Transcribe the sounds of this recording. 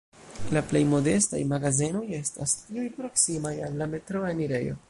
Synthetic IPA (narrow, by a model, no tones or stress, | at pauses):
laple̞jmo̞de̞sta̰jmaɡazino̞je̞stastiujpɾo̞ksimajalːame̞tɾo̞eniɾe̞jo̞̰